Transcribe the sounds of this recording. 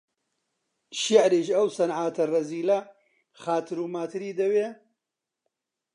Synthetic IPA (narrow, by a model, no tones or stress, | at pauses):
ʃiʕɾiːʃɐwsɐnʕaːt̪ʰɐrɐziːlɐ | xaːt̪ʰɨɾuːmaːt̪ʰɨɾiːd̪ɐweː